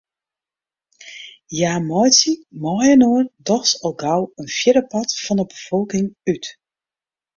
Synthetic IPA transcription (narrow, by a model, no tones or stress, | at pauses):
jaːmɔjsimɔjənoərdɔxsɔlˠɡawənfjɪɾəpɑtfɔnəbəfɔlˠkɪŋyt